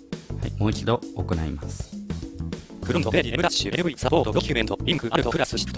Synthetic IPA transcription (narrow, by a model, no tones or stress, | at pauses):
haimo̞ːit͡ɕid̪o̞ːko̞naimasɨ̥ | kɯ̟ɾõnd̪od̪eɾʲiemɯ̟ɾḁɕɨeɯɯ̟isapo̞ːt̪od̪okʲɯment̪oĩŋkɯ̟ʔaɾɯ̟t̪okɯ̟ɾasɨɕi̥t̪